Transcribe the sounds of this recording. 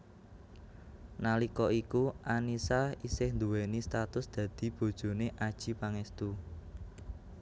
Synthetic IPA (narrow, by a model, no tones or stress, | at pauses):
nalikɔʔikuʔanisaisɪhnd̪uwenist̪at̪ʊsd̪̥ä̤d̪̥i̤b̥o̤d̥ʒ̥o̤neʔad̥ʒ̥i̤paŋɛst̪u